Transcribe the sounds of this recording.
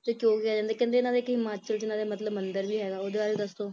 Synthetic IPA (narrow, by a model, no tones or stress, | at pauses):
t̪eːkjõːkɪjaːd͡ʒãːnd̪aːkɛ̃ːnd̪eːɪnãːd̪eːkɪmaːt͡ʃəlt͡ʃɪnãːd̪eːmət̪ləbmənd̪əɾbiːɦɛːɡaːoːd̪eaːɾed̪əst̪õː